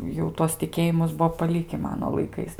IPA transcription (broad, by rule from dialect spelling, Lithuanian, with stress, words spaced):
jɛʊ ˈtuɔs tʲɪˈkʲeːjɪmʊs ˈbʊʋoː pɐˈlʲɪkʲɪ ˈmɑːnoː lˠɐɪˈkɐɪs